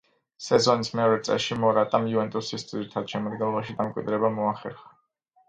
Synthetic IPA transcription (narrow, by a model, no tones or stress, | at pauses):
sɛzɔnismɛɔɾɛt̪sʼɛ̰lʃimɔɾat̪ʼamjuvɛnt̪ʼusisd̪ziɾit̪ʰad̪̥ʃɛmad̪ɡɛnlˠɔbaʃid̪amkʼwḭd̪ɾɛbamɔaχɛ̰ɾχḁ